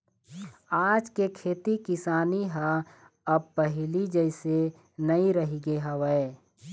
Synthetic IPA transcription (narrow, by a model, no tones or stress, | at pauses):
aːd͡ʒkekʰeːt̪ikɪsaːniɦa | ɐbpəɦlid͡ʒəɪse | nɐĩɾəɦiɡeɦɐʋəe